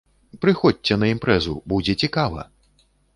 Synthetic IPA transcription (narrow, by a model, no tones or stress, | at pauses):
pɾɨxɔt͡sʲɛnɐimpɾɛzubud͡zʲɛt͡sʲikavɐ̰